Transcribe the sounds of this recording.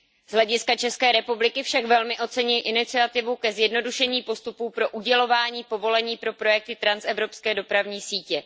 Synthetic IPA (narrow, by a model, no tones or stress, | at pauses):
z̥ɦlɛɟɪskat͡ʃɛskɛːɾɛpublɪkɪfʃakvɛlmɪʔo̞t͡sɛɲɪlʔɪnɪt͡sɪat̪ɪvukɛzjɛdno̞duʃɛɲiːpo̞st̪upuːpɾo̞ʔuɟɛlo̞vaːɲiːpo̞vo̞lɛɲiːpɾo̞pɾo̞jɛk̚t̪ɪt̪ɾansɛvɾo̞pskɛːdo̞pɾavɲiːsiːcɛ